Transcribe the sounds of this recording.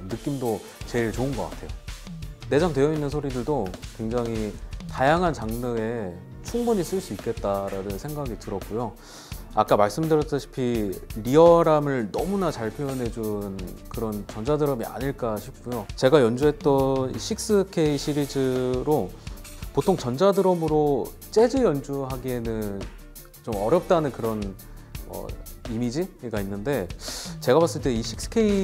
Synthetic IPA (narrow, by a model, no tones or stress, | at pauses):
nɯk͈imdo | t͡ɕe̞iɭt͡ɕoɯnɡʌk͈a̰tʰe̞̰jo | ne̞d͡ʑamtwe̞jʌinːɯnsʰoɾidɯɭdokwe̞ŋd͡ʑaŋɦitajaŋɦant͡ɕaŋnɯe̞ | t͡ɕʰuŋbuɲis͈ɯɭs͈uik͈ʰe̞t̚t͈aɾanɯnsʰe̞ŋɡaɡitɯɾʌk͈̚ujo | a̰k͈amaɭs͈ɯmdɯɾjʌs͈ɯɕʰi̥pʰiɾiʌɾamɯɭnʌmunat͡ɕaɭpʰjoʌnɦe̞d͡ʑunkɯɾʌnt͡ɕʌnd͡ʑadɯɾʌmia̰ɲiɭk͈aɕʰip̚k͈ujot͡ɕe̞ɡajʌnd͡ʑuɦe̞t͈̚ʌnḭɕʰik̚s͈ɯkʰe̞iɕʰiɾid͡ʑɯɾo | potʰoŋt͡ɕʌnd͡ʑadɯɾʌmɯɾo | t͡ɕ͈e̞d͡ʑɯjʌnd͡ʑuɦaɡie̞nɯn | t͡ɕomʌɾjʌp̚t͈anɯnkɯɾʌn | ʌ̰imid͡ʑiɡainːɯnde̞t͡ɕe̞ɡabas͈ɯɭt͈e̞iɕʰik̚s͈ɯ̥kʰe̞i